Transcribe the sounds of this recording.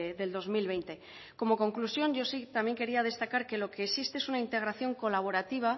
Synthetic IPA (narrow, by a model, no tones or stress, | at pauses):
ðe̞ld̪o̞zmilβ̞e̞jnt̪e̞ | ko̞mo̞ko̞ŋklusjo̞nʝo̞sit̪amje̞ŋke̞ɾiað̞e̞st̪akaɾke̞lo̞ke̞ːsist̪e̞esunaint̪e̞ɣ̞ɾaθjo̞ŋko̞laβ̞o̞ɾat̪iβ̞a